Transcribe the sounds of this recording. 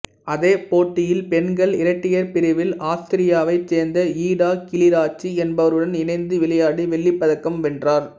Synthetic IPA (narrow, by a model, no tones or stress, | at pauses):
ɐðeːpoːʈːɪjɪlpɛnɡɐɭɪɾɐʈːɪjɐɾpɪɾɪʋɪlaːst̪ɪɾɪjaːʋɐɪt͡ʃːeːɾnd̪ɐiːɽaːkɪlɪɾaːt͡ʃːiɛnbɐʋɐɾɯɽɐnɪnɐɪnd̪ɯʋɪɭɐjaːɽiʋɛɭːɪpːɐðɐkːɐmʋɛndraːɾ